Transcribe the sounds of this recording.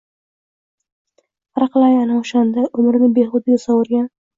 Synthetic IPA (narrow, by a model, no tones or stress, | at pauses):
qɾɑqlˠajanaʊʃand̪aʔʊmɾnɪbeχʊd̪ɪɡʲasɒwʊɾɡʲan